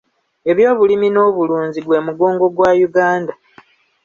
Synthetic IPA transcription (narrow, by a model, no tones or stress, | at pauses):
e̞βjo̞ːβulimino̞ːβuluːnziɡwe̞ːmuɡo̞ːŋɡo̞ɡwaːjuɡaːnda